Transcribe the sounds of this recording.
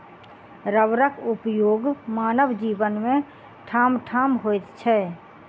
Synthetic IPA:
ɾəʋɾəkʊpjoːɡmaːnəʋd͡ʒiːʋənmẽ | ʈʰaːmʈʰaːmɦoːt̪t͡ʃʰɛː

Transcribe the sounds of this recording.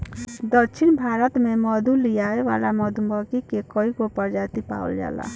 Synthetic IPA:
d̪əɾt͡ʃʰinbʱaɾət̪meməd̪ʱulijaeʋa̰laməd̪ʱumbəkikekɔikopəɾd͡ʒat̪ipa̰ə̰lja̰la̰

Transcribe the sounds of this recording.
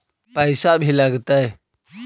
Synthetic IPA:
pəjsabʱiləɡt̪aj

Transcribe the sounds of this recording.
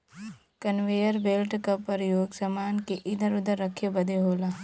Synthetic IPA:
kənʋeːjəɾbeːlʈkɐpːəɾjoːɡsɐmaːnkeʔɪd̪ʱəɾʊd̪əɾːəkʰːebəd̪ʱeɦoːlaː

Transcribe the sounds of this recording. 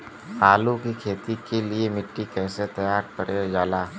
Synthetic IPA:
aːlukikʰeːt̪ikeliemɪʈːikɛ̃ːset̪ɐjaːɾkəɾed͡ʒaːlaː

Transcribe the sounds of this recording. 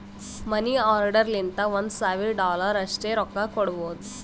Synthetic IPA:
məniːɔɾɖəɾlint̪aʋənsaʋiɾɖɔləɾəɕʈeɾɔkːakoɽʋot̪

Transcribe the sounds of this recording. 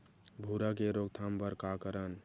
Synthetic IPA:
bʱuɾakeɾoɡ̚t̪ʰambəɾkakəɾən

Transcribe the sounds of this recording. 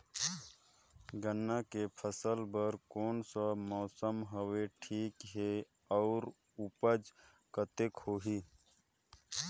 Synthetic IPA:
ɡənːakepʰəsəlbəɾkoːnsamɔːsəmɦəweʈʰiːkɦe | ɔːɾ | ʊpəd͡ʒ | kət̪ekhoːɦiː

